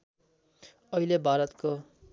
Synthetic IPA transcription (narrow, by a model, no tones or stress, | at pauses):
ʌilebʱaːɾʌt̪ko